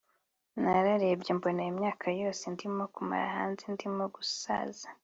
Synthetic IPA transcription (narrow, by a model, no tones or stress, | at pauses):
naɾaɾebɟembonejimɲaːkʰajo̞ːsendimokuma̰ɾa̰ɦa̰ːnzendimoɡusa̰ːza